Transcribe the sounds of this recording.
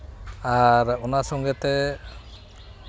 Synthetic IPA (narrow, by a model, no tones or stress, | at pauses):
aɾɔnasɔŋɡɛt̪ɛ